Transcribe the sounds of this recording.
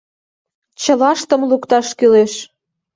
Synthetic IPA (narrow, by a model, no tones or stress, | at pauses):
t͡ɕə̆lɑʃt̪ə̆mlukt̪ɑʃkyleʃ